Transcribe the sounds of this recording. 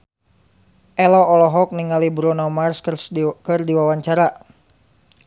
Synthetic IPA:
ʔɛlɔɔlɔɦɔk̚niŋalibɾɔnɔmarsrkɨrdiwawaɲt͡ʃaɾa

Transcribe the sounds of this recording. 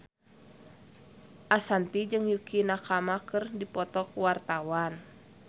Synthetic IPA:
ʔasant̪id͡ʒɨŋjukʰinakamakɨrdipɔt̪ɔkwart̪awan

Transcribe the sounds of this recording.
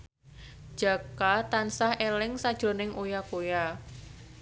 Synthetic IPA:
d̥ʒ̥a̤kat̪ansahelɪŋsad̥ʒ̥ɾo̤nɪŋʔojakoja

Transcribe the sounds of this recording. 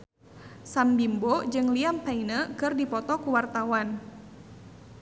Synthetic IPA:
sambimbod͡ʒɨŋliampainəkɨrdipɔt̪ɔkuwart̪awan

